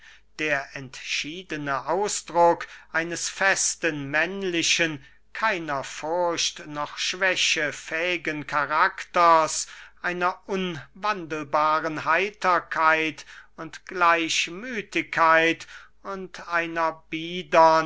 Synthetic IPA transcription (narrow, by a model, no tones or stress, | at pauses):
d̥eːɐʔɛntʃiːdənəʔaʊsd̥ʁʊkʔaɪnəsfɛstənmɛnlɪʃən | kʰaɪnɐfʊɐɕtnɔχʃv̥ɛɕəfɛːɪɡənkʰaʁaktɐsʔaɪnɐʔʊnvandəl̩baːʁənhaɪtʰɐkʰaɪtʊntɡ̥laɪɕmyːtɪkʰːaɪt | ʊntaɪnɐbiːdɐ